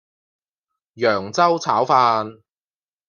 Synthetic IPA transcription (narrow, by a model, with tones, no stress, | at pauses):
jœː˨˩ŋt͡sɐ˥wt͡sʰaː˨˥wfaː˧n